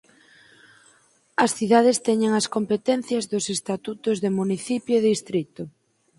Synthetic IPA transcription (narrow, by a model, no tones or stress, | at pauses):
ɐsθiðað̞est̪ɛɲeŋɐskompet̪ɛn̟θjɐzðʊsest̪at̪ut̪ʊzðɪmuniθipjoeðist̪ɾit̪ʊ